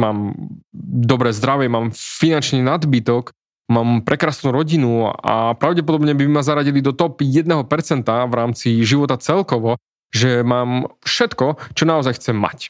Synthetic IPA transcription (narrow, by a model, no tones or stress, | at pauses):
maːm | d̪ɔbɾɛːzd̪ɾaʋɛmaːmfinant͡ʃniːnad̪bit̪ɔk | maːmpɾʔɛkɾaːsnuːɾɔɟinua̰pɾaʊɟɛp̬ɔd̪ɔbɲɛbimazaɾaɟilid̪ɔt̪ɔpjɛd̪nɛɦɔpɛɾt͡sɛnt̪aʋɾaːmt͡siʒiʋɔt̪at͡sɛlkɔʋɔ | ʒɛmaːmfʃɛt̪kɔt͡ʃɔnaɔzajxt͡sɛmːa̰c